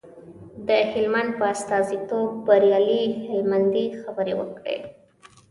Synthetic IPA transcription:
d̪əhɪlmand̪̚pəast̪ɑzit̪ob̚ːaɾjɑlihɪlmand̪ixabəɾewə̰kɽḛ

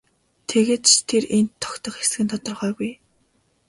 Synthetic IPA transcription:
t̪ʰeɣeːt̪t͡ɕt̪ʰerent̪ʰːɔ̥kt̪ɞ̆χxes̆ɡɘ̆nt̪ʰɔt̪ɞ̆rχœːɣuj

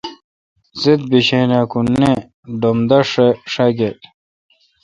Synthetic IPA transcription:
zid̪̚biɕeːnakunːe | ɖomd̪ɐʂeʂɐɡet

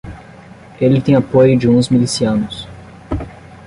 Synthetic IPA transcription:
elɪt̪ẽj̃apojʊd͡ʒɪũzmilisiɐ̃nʊs

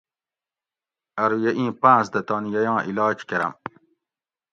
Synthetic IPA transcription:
ɐɾujeʔĩːpãːsd̪ɐt̪ɑːnijɐjɑ̃ːʔilɑːt͡ʃkɐɾɐ̰m

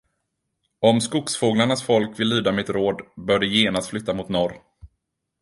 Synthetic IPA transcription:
ɔmskʊksfoːɡlaɳasfɔlkvɪlːyːd̪amɛɛt̪ɾoːd̪bœːɖəjeːnast̪flʏt̪ːamʊt̪nɔɾ

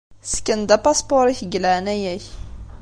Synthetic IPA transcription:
skːənd̪æpaspoɾiçəɡlæʕnæjæç

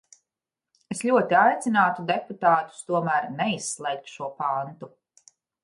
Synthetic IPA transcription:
eslʲuɔt̪iajt̪sinaːt̪ud̪eput̪aːt̪u̥st̪uɔmæːɾnɛisːlˠɛjk̚t̪ʃuɔpant̪u

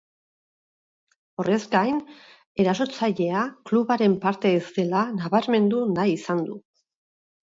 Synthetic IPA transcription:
o̞re̞zɡajn | e̞ɾaso̞t͡saʎe̞akluβaɾe̞mpaɾt̪e̞ːst̪e̞lanaβaɾme̞nd̪unajisand̪u

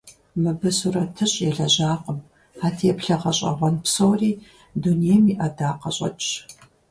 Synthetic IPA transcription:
mɨbɨsurɐtʰɨɕʼjɛɮɐʑaːqəm | aːtʰijɛpɬɐʁɐɕʼɐ̰ʁʷɔnpsowriː | dunijɛmiːʔɐdaːqɐɕʼɐ̰t͡ʃʼ

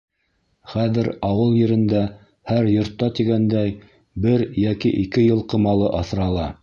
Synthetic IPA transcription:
χæðɘɾɑwɤlˠjɘ̆ɾɘ̆nd̪æ | hæɾjŏɾt̪ːɑt̪iɡænd̪æj | bɘɾjækḭʔikɘjɤlˠqɤ̆mɑlˠɤʔɑθɾɑlˠɑ

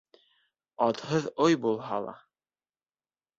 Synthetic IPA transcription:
ɑt̪hɤðojbulˠɦɑlˠɑ̰

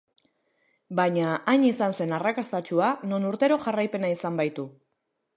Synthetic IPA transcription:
baɲaʔːɲisanse̞narakast̪at͡ʃuano̞nuɾt̪e̞ɾo̞ʝarajpe̞naisambajt̪u

